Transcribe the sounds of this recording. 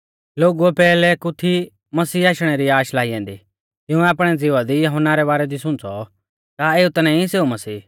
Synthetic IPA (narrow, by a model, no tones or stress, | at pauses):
loːɡuɛpɛːlɛkʊt̪ʰi | mɐsiːaːʃɽ̃ɛɾiaːʃlaːijɛ̃ːnd̪i | t̪ɪũɛaːp̬ɽ̃ɛd͡zɪʋad̪ijɐɦɔnːaɾɛβaːɾɛd̪isʊ̃ñt͡sɔ | kaeːut̪ɐnãiseːumɐsiː